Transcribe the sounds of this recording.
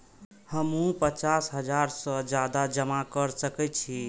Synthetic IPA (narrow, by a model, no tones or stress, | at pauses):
həmũpət͡ʃasɦəd͡ʒaɾsə̃d͡ʒad̪ad͡ʒəmakəɾsəkɛt͡ʃʰi